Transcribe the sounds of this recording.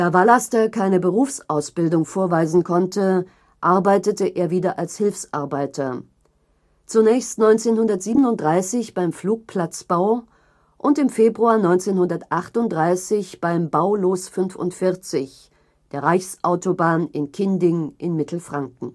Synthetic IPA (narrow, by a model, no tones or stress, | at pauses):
d̥aːvalastɐkʰaɪnəbəʁuːfsʔaʊsb̥ɪldʊŋfoːɐvaɪzn̩kʰɔntə | ʔaɐbaɪtətəʔeːɐviːdɐʔalshɪlfsʔa̰ɐbaɪtʰɐ | t͡sunɛːçstnɔʏnt͡seːnhʊndɐtz̥iːbənʊnt̚d̥ʁaɪsɪçb̥aɪmfluːk̚pʰl̥at͡sb̥aʊ | ʔʊntɪmfeːbʁuaːɐnɔʏnt͡seːnhʊndɐtʔaχtʊnt̚d̥ʁaɪsɪçb̥aɪmbaʊloːsfʏnfʊ̰ntfɪɐt͡sɪç | d̥eːɐʁaɪçsʔaʊtobaːnɪnkʰɪndɪŋʔɪnmɪtʰl̩fʁ̥aŋkŋ̩